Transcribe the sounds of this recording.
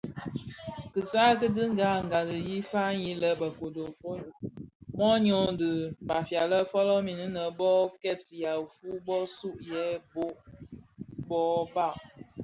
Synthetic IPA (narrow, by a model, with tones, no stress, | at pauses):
kɨ˨sa˦k̬ə˦dɨ˦ŋ˦ɡa˦˨ŋ˨ɡa˨lɨ˨ji˦fa˦ji˦lə˦bə˨ko˨do˨fo˦˨mɔ˦ɲɔ˨˦n˦dɨ˨ba˨fja˨lə˦fɔ˦lɔ˦mi˨ni˦nə˨bɔ˦kɛ˦˨p̚si˨ja˨fu˦bɔ˦su˦ʔjɛ˨˦bo˦ʔ | bɔ˦ba˦˨ʔ